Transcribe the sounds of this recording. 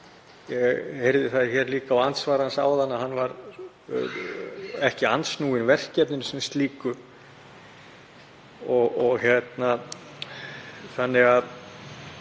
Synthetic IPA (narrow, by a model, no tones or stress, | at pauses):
jɛɣhejɾðɪθaðɪ̥çɛːɾliːkaːwant̪svaːɾansaːwðanːaɦanːvaɾ̰ | ɛhcɪant̪snuːɪnvɛr̥cɛpnɪnsɛmst̪liːkʏ | ɔɣɔɣçjɛt̪na | θanːɪɣað